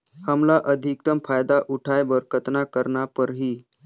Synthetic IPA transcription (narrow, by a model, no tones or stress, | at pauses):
həmlaʔəd̪ʱikt̪əmfajd̪aʔuʈʰajbəɾkət̪nakəɾɳapəɾɦiː